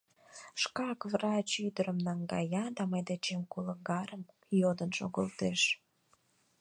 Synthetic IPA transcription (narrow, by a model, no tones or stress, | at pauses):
ʃkɑkvrɑt͡ɕyd̪əɾəmnɑŋɡɑ̰jɑd̪ɑməjd̪et͡ɕemkoləɡɑɾəm | jod̪ənʃo̰ɣəlt̪eʃ